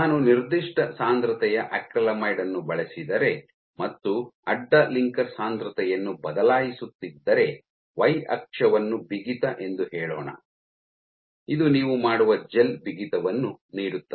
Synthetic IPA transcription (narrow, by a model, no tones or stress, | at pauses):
naːnuniɾd̪iʂʈɐsaːnd̪ɾɐt̪ɛjɐʔɐkɾɐlɐmɐjɽɐnːubɐɭesid̪ɐɾe̞ | mɐt̪ːuɐɖːɐliŋkɐɾsaːnd̪ɾɐt̪ɛjɐnːubɐd̪ɐlaːjisut̪ːid̪ːɐɾe̞ | ʋɐjɐ̰kʂɐʋɐnːubiɡit̪ɐʔe̞nd̪uhɛːɭoːɳɐ̰ | id̪uniːʋumaːɽuʋɐd͡ʒe̞lbiɡit̪ɐʋɐnːuniːɽut̪ːɐ